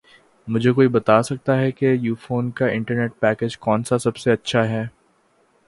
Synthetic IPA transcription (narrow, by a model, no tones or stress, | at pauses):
mʊd͡ʒʱekoːibɐt̪aːsɐk̚t̪aɦɛkejuːfoːnkaɪ̃ɳʈəɾneːʈ̚pɛːkeːd͡ʒkɔːnsasɐbseɐtːʃʰaɦɛː